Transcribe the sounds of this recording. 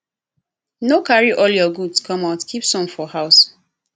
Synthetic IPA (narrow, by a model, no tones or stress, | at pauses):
nokaɹiʔɔljɔɡudskʰɔ̃maʊtkʰipsɔ̃mfɔhaʊs